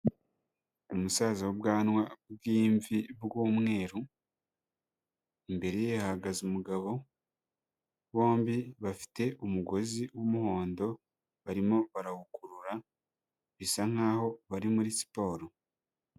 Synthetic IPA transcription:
umusaːzawubɡaːnwabɡiːɱvibɡuːmŋe̞ːɾu | imbe̞ɾe̞jehaɡazumuɡaβo̞ | βo̞ːmbiβafi̥te̞ʔumuɡo̞ziwumuho̞ːndo̞ | βaɾimo̞βaɾahukuɾuɾa | βisaŋ̥aːho̞βaɾimuɾisi̥po̞ːɾo

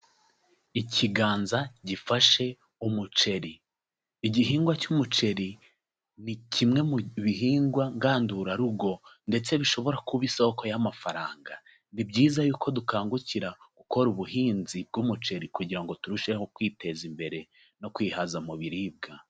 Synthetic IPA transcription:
icʰiɡaːnzaɟifaʃe̞ | umut͡ʃe̞ɾiː | ɟiɦiːŋɡwacumut͡ʃe̞ɾi | nicʰimŋe̞muβiɦiːŋɡwaŋɡaːnduɾaɾub̚ɡo̞nde̞t͡se̞βiʃo̞βo̞ɾakuβiso̞ko̞jamafaɾaːŋɡa | nibɟiːzajuːkʰo̞dukaːŋɡuciɾaɡ̥uko̞ɾuβuhiːnzib̚ɡumut͡ʃe̞ɾikuɟiɾaŋɡo̞tuɾuʃehokwiːte̞zimbe̞ɾe̞ | no̞kwiːhazamuβiɾib̚ɡa

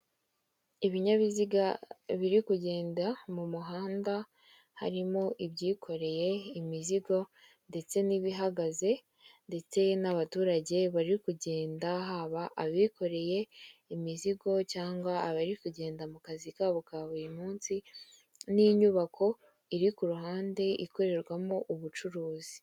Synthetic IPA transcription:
iβiɲaβiziɡaβiɾikuɟe̞ːndamumuɦaːnda | ha̰ɾimo̞ʔibɟiːkʰo̞ɾe̞je̞imiziɡo̞ | nde̞t͡se̞niβiɦaɡaze̞ | nde̞t͡se̞naβatuːɾaɟe̞βaɾikuɟe̞ːndaɦaβaʔːβikʰo̞ɾe̞je̞imiziɡo̞caːŋɡwaːβaɾikuɟe̞ːndamukazikaːβokaβuɾimuːnsi | niɲuβakʰo̞ | iɾikuɾuɦaːnde̞ʔikoɾe̞ɾɡwamo̞ʔuβut͡ʃuɾuːzi̥

